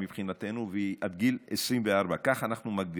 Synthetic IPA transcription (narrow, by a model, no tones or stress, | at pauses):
mipχinat̪enuveat̪̚ɡilesɾimveaɾbakaχanaχnumaɡ̚d̪i